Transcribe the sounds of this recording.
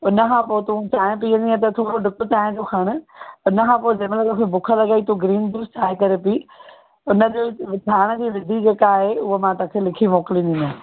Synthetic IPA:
ʊnə̆kʰãːpoːɪt̪ũt͡ɕaːɪ̃ʊ̃piːə̃nd̪iãt̪ɐt̪ʰoːɾoɖɪkʊt͡ɕaːɪ̃d͡ʑokʰɐɽ̃ʊ̆ʊnəkʰãːpoːɪd͡ʑɐmelɐkõkʰebʊkʰəlɐɡaːit̪ʰuɡɾiːnd̪uːst͡ɕʰaːɦekɐɾepiː | ʊnə̆d͡ʑoːʋɪtʰaːɽ̃əd͡ʑiːʋɪd̪ʱid͡ʑeːkaɦeʊɦəmãt̪õːkʰelɪkʰimoːkɪlĩːnd̪ĩːnd̪a

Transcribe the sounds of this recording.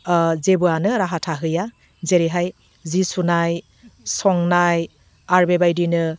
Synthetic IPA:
zebuanɯɾaɦatʰaɦɯja | zeɾiɦaj | zisunaj | sɔŋnaj | aɾbebajdinɯ

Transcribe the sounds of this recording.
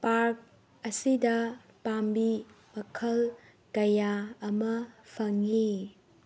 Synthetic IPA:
paɾk̚ | ɐsidɐ | pambi | mɐkʰɐl | kɐjaɐmɐpʰɐŋːi

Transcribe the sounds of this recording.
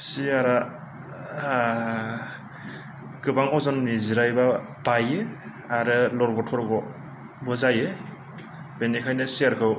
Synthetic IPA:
siaɾa | kɯbaŋɔzɔnːiziɾajba | b̥aje | aɾɯlɔɾɡɔtʰɔɾɡɔ | bɔzaje | benikʰajnɯsiaɾkʰɯw

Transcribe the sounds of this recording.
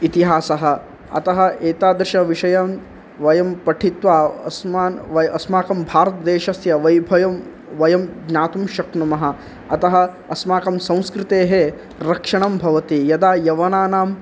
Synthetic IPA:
it̪iɦaːsɐɦɐ̆ | ɐ̰t̪ɐɦɐ̆ʔeːt̪aːd̪ɾʃɐʋiʃɐjam | ʋɐjɐmpɐʈʰit̪ʋaːsmaːnʋɐɐsmaːkɐmbʱaːɾɐt̪ɐd̪eːʃɐsjɐʋɐjbʱɐjɐm | ʋɐjɐmɡɲaːt̪umʃɐkɳɐmɐɦɐ̆ | ɐt̪ɐɦɐ̆ | ɐsmaːkɐmsɐ̃w̃skɾɪt̪eːɦe | ɾɐkʂɐɳɐmbʱɐʋɐt̪ijɐd̪aːjɐʋɐnaːnaːm

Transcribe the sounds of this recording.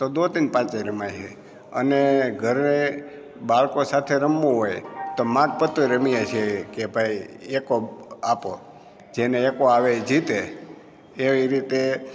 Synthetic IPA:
t̪od̪ot̪inpãt͡ʃeɾəmajt͡ʃʰe | ə̰neɡʱəɾne | baɭkosat̪ʰeɾəmːũɦojt̪omãɡ̚pət̪ːuɾəmijet͡ʃʰekebʱajekoapo | d͡ʒeneekoaʋed͡ʒit̪eː | ʋiɾit̪e

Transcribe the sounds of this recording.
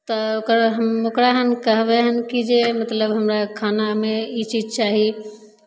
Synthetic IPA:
t̪ɔokɾɦəmokɾaɦənkəɦbɛɦənkid͡ʒemət̪ləbɦəmɾakʰanameit͡ʃid͡ʒt͡ʃaɦi

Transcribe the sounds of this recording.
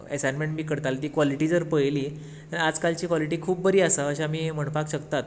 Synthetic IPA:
ḛsanmeɳʈbʱiːkəɾt̪alt̪iːkʋɔliʈiːd͡zəɾpəjliː | anad͡zkalt͡ɕiːkʋɔliʈiːkʰuːp̚bəɾiːəsəəɕaamiːm̤əɳpakɕəkt̪at̪̚

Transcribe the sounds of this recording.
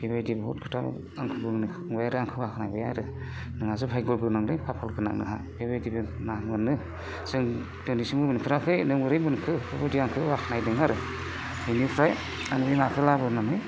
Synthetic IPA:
bebajdibɦṵt̚kʰɯ̥tʰa̰ | aŋkʰɯbɯŋnɯ | ŋbajaɾɯaŋkʰɯwakʰnajbɯjaɾɯ | nɯŋazɯpʰajɡɔlɡɯnaŋɾɯjpʰapʰɔlɡɯna̰k̚nɯ̰ɦa | b̥ebajdibenabɯnɯ | sɯŋ | d̥ɯnisimɯbɯnipʰiɾakʰɯjnɯŋbɯɾɯjbɯnkʰɯbebadiaŋkʰɯwakʰnajdɯŋaɾɯ | ɯnipʰɾaj | aŋbimakʰɯlabɯnanɯj

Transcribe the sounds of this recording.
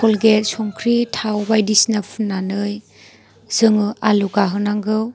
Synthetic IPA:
kɔlɡet̚sɔŋkʰɾitʰawbajdisnapʰunːanɯj | z̥ɯŋɯaluɡaɦɯnaŋɡɯw

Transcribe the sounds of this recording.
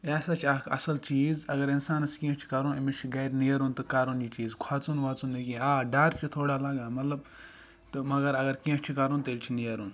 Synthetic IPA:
ɛːsat͡ʃʰakɐ̰sɐlt͡ʃiːzɐɡɐɾinsaːnɐskĩt͡ʃʰi̥kɐɾũnimit͡ʃʰiɡɐɾnijɐɾunt̪ɨkaɾund͡ʒiːt͡ʃiːzkʰaːt͡sunʋaːt͡sunːikĩaːɖaːɾt͡ʃʰit̪ʰoːɽaːlaːɡaːmɐt̪lɐb | t̪ɨmɐɡɐɾɐɡɐɾkĩt͡ʃʰikɐɾunt̪elʲt͡ʃʰinijɐɾun

